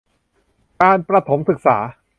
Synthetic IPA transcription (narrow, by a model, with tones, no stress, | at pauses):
kaː˧npɾa˧t̪ʰo˩˦msɯ˨˩k̚saː˩˦